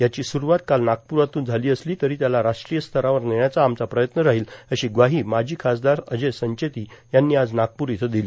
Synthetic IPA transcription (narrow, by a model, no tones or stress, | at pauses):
jat͡ɕiːsuɾuʋat̪kalnak̚puɾat̪uːnd͡zʱaliːəsliːt̪əɾiːt̪jalaɾaʂʈɾijəst̪ʰəɾaʋəɾneɳjat͡saːmt͡sapɾəjət̪nəɾaɦiːləɕiːɡʋaɦiːmad͡ʑʱiːkʰasd̪aɾəd͡zesəɲt͡ɕet̪iːjanːiːad͡znak̚puɾit̪ʰed̪iliː